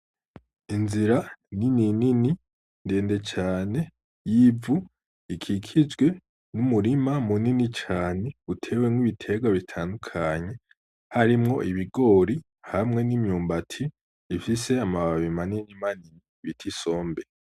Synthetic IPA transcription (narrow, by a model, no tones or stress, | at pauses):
inziɾanininini | nde̞ːnde̞t͡ʃaːne̞ | jivu | ikʰikʰizɡwe̞ | numuɾimamuninit͡ʃaːne̞utʰe̞ːwemwiβitʰe̞ɡwaβitʰandukʰaɲe̞ | haɾimŋo̞ʔiβiɡo̞ːɾi | hamŋe̞nimɲuːmbatʰiː | fise̞amaβaβimaninimaniniβitʰiso̞ːmbe